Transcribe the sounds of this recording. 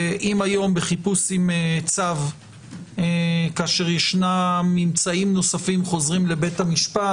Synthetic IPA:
ʔimajo̞mbe̞χipusimet͡sav | ekaːʃe̞ʁjeʃnamːimt͡saimno̞safimχo̞zʁimle̞be̞thamiʃpa

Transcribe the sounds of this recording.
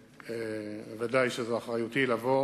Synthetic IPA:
evad̪ajʃezeaχʁajut̪ilavo

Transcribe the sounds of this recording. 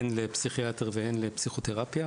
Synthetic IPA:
enlepsiχiat̪eʁveenlepsiχo̞t̪eʁapja

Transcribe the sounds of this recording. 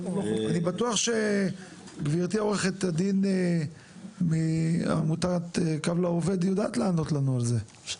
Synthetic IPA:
anibat̪uaχʃe̞ | ɡviʁt̪ioʁeχet̪ad̪in | mia̰mut̪aʁt̪ekavlaove̞d̪jodaːt̪laːno̞tlanualze

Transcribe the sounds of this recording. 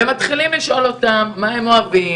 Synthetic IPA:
emat̪χilimliʃʔo̞lo̞t̪amːaemo̞avi

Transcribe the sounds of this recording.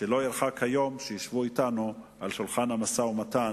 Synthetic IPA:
ʃelo̞jiɾχakhajo̞mʃejiʃvuit̪anuʔalʃulχanhamasaumat̪an

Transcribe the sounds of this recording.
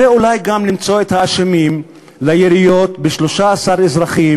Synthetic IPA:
eulajɡamlimt͡so̞et̪haːʃemim | lajeɾijo̞t̪beʃlo̞ʃaːsaʁezʁaχim

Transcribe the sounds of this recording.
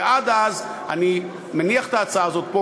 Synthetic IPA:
ʔad̪azani | meniaχe̥t̪aːt͡saaːzo̞t̪̚po

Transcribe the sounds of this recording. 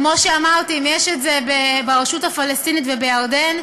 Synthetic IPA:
mo̞ʃeamaʁt̪iimjeʃetzebebeʁeʃutafalest̪initvebejaod̪en

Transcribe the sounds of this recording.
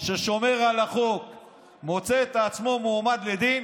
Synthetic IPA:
ʃeʃo̞me̞ʁalaχok | mo̞t͡seːt̪ːt͡smo̞muːmad̪led̪in

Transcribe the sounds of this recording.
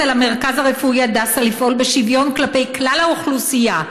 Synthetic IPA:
elame̞ʁkazaʁefuiad̪asalifʔo̞lbe̞ʃivjo̞nklape̞jklalauχlusija

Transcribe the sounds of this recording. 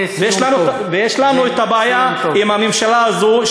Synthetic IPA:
vjeʃlanu | vejeʃlanuet̪abaajaimhamemʃalaːzu

